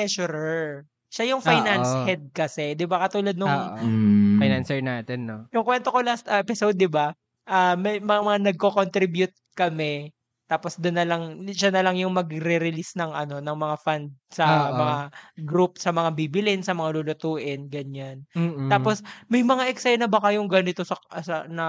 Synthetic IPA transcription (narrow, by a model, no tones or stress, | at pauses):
ɛʃʊɾɛɹ | ʃajʊŋfajnanshɛd̪̚kɐsɛd̪ɪbakɐt̪uːlɐd̪nʊŋːʔfajnansɛɹnaːt̪ɛnːojʊŋkwɛnt̪okolast̪ɐʔɛpɪsowd̪̚ːɪba | ʔamɐjmɐŋamɐŋanɐɡ̚kokont̪ɾibjʊt̪̚kɐmɛ | t̪aːpo̞sd̪ʊnːɐlɐŋʃanɐlɐŋjʊŋmɐɡɾɛɾɪlisnɐŋʔɐno̞nɐŋmɐŋafand̪̚sɐmɐŋaɡɾup̚sɐmɐŋabiːbɪlɪnsɐmɐŋalulʊt̪uːʔɪnɡɐɲanːt̪aːposmɐjmɐŋaʔɛksɛjnɐbɐkɐjʊŋɡanɪt̪o̞sɐsɐnɐ